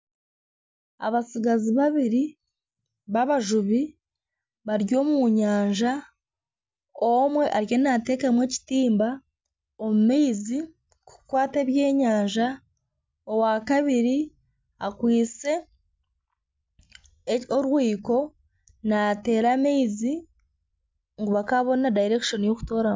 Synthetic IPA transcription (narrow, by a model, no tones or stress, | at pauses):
a̰βasiɡaziβaβiɾi | βaβaʒuβi | βaɾjo̞ːmuɲaːɲʒa | omwe̞ʔaɾjo̞nate̞ːkamwe̞ːci̥tiːmba | omumeizi | kukwaːte̞ːβje̞ːɲaːɲʒa | owakaβiɾi | akwiːt͡se̞ | oɾwiːko̞ | nate̞ːɾame̞izi | ŋɡuβakaβo̞nadajiɾe̞kiʃo̞nijo̞ku̥to̞ːɾa